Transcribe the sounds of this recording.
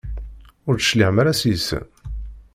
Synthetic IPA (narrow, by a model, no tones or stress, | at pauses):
ʊɾt͡s̪ə̥ʃliʕəmæɾæsjəsə̰n